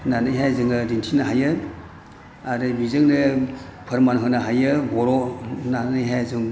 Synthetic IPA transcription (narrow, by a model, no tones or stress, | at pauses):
nanɯjɦajzɯŋɯdintʰinaɦajɯ | aɾɯbizɯŋnɯpʰɯɾmanɦɯnaɦajɯbɔɾɔnanɯjɦajzɯŋ